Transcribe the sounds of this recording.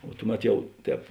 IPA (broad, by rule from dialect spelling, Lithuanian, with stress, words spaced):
oː ˈtʊˌmʲɛt ˈjɛʊ ˈtʲɛːp